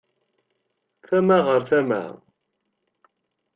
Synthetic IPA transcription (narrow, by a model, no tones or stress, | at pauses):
θæmaʁəɾθæmæ̰